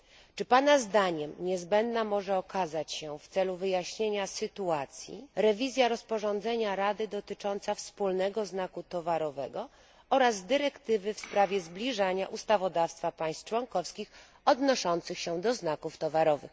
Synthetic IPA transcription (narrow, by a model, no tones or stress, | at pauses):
t͡ʂɘpanazd̪aɲɛmɲɛzbɛnd̪namɔʐɛɔkazat͡ɕɕɛft̪sɛluvɘjaɕɲeɲasɘt̪uat̪sʲjḭɾɛvʲizʲjaɾɔspɔʐɔnd̪zɛɲaɾad̪ɘd̪ɔt̪ɘt͡ʂɔnt̪safspulnɛɡɔznakut̪ɔvaɾɔvɛɡɔ | ɔɾazd̪ɘɾɛkt̪ɘvɘfspɾavʲjɛzblʲiʐaɲaʔust̪avɔd̪afst̪fapaj̃st̪t͡ʂwɔŋkɔfskʲix | ɔd̪nɔʂɔnt̪sɘxɕɛd̪ɔznakuft̪ɔvaɾɔvɘ̰x